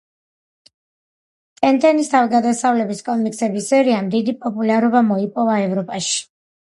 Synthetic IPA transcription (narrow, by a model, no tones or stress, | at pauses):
t̪ʼɛnt̪ʼɛnist̪ʰavɡad̪asavlɛbiskʼɔmikʼsɛbisɛɾiamd̪id̪ipʼɔpʼulaɾɔbamɔipʼɔvaɛvɾɔpʼaʃi̥